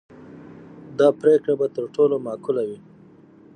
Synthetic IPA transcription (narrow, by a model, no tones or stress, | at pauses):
d̪ɑpɾekɽabat̪əɾʈolomɑkʊlawi